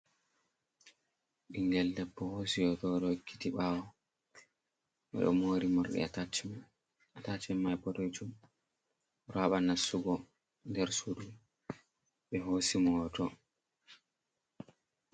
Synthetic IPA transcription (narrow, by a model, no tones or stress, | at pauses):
ɗiŋɡɛlːɛpːɔhosijɔtɔɾɔkːi̥tiɓaːwɔ | ɓɛ̰ɗɔ̰moːɾimɔɾɗɛ̰atat͡ʃːɛm | atat͡ʃɛmːajpɔtɔjt͡ʃum | ɾaɓanasːuɡɔ | ndɛɾsudu | ɓɛɦoːsimɔtɔ